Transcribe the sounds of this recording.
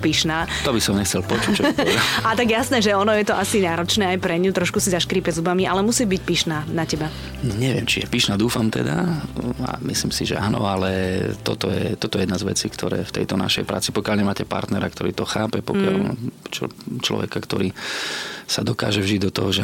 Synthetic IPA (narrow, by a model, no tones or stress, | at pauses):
piʃnaːt̪ɔbisɔmɲɛxt͡sɛlpɔt͡ʃuːt͡ʃɔɔɛd̪aat̪aɡjasnɛːʒɛɔnɔjɛt̪ɔʔasinaːɾɔt͡ʃnɛːajpɾɛɲut̪ɾɔʃkusizaʃkɾiːpɛzubamiʔalɛmusiːbicpiʃnaːnacɛba | ɲɛʋɪɛmt͡ʃijɛpiʃnaːd̪uːfamt̪ɛ̰d̪aa̰misliːmsiʒɛ̰aːnɔ̰alɛt̪ɔt̪ɔjɛt̪ɔt̪ɔjɛjɛd̪nazʋɛ̰t͡siːkt̪ʰɔɾɛ̰ːft̪ɛ̰jt̪ɔna̰ʃɛ̰jpɾa̰ːt͡sipɔkɪalɲɛmaːcɛpa̰ɾt̪nɛɾakt̪ɔɾiːt̪ɔxaːpɛpɔkjalt͡ʃt͡ʃlɔ̰ʋɛ̰kakt̪ɔɾiː | sad̪ɔka̰ːʒɛvʒiɟd̪ɔt̪ɔɦɔʒɛ